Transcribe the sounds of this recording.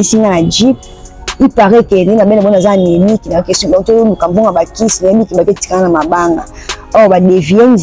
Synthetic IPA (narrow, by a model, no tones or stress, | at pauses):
isiŋɡanad͡ʒip | ipaʁɛkɛenabɛnabɔnzanemikinakesutololukamboŋɡabakisinamikibaketi̥kaŋanamabaŋɡa | awabadevienz